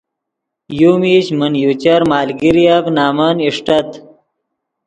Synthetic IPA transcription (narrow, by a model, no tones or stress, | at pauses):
juːmiɕmənjuːt͡ɕɐɾmaːlɡiɾijaknaːmɐniʂʈɐt̪